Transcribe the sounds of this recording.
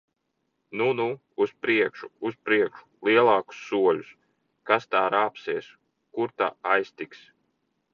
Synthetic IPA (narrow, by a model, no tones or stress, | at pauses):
nunuː | spɾiɛkʃuuspɾiɛkʃu̥lˠiɛlˠɑːku̥sːuɔlʲus | kast̪aːɾaːpsiɛs | kuɾt̪a̰ajst̪iks